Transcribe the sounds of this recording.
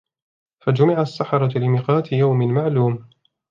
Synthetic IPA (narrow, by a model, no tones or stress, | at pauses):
fad͡ʒʊmɪʕasːaħɑɾˤɑlɪmiːqɑːt̪ɪjawmɪmaʕluːm